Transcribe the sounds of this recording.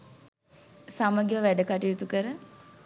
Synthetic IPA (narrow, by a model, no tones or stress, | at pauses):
saməɡiʋəʋæɖəkaʈijut̪ukəɾə